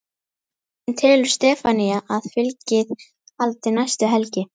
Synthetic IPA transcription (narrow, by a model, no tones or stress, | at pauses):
ɛnt̪ʰɪlʏ̥st̪ɛːfanijaʔaðfʏlcɪð | alt̪ɪnajst̪ʏɦɛlcɪ